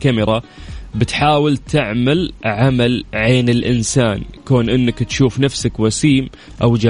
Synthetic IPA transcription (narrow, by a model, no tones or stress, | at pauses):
kamɪɾˤɑbɪt̪ħaːwɪlt̪ʰɪʕmalʕamalʕeːnɪlʔɪnsaːnkoːnʔɪnːakt̪ʃuːfnafsakwasiːm | ʔawd͡ʒa